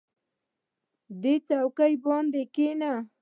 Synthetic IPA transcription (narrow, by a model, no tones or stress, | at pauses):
d̪et͡sawkajbɑnd̪ekena